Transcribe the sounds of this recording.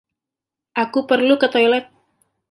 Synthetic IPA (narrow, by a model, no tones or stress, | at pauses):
ʔakupərlukət̪ojlɛt̪̚